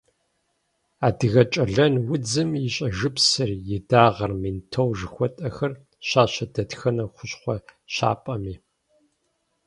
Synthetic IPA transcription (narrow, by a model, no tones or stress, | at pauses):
aːdɨɣɐt͡ʃʼɐɮɐnwʊd͡zɨmjɪɕʼɐʒɨpsɨrjɪdaːʁɐrmintʰɐwʒɨxʷɔtʼɐxɐr | ɕaːɕɐdɐtxɐnɐχʷʊɕχʷɔɕa̰ːpʼɐmiː